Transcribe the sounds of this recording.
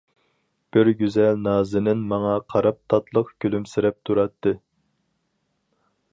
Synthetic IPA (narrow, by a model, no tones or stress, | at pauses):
b̥ɪɾɡʲyzɛlnɑːzɪnɪnmɑŋɑqʰɑɾɑp̚t̪ʰɑt̪ʰlˠəqkʲʰølymsɪɾɛp̚t̪ʰuɾɑt̪ːɨ